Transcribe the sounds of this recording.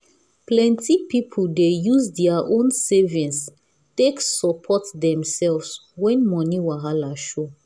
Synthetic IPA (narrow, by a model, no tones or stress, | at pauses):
plɛ̃ntʰipipʰuldejuzdɛaʔõnsɛvĩns | teksɔpʰɔtdɛ̃msɛlvswɛ̃nmɔniwaɦalaʃo